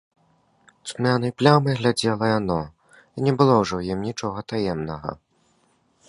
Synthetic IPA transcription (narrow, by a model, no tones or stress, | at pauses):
smʲanɐjplʲamɨɣlʲad͡zʲɛlˠɐjanɔ | inʲɛbɨlˠɔwʐɛwjimnʲit͡ʂɔɣɐt̪ajɛmnɐɣɐ̰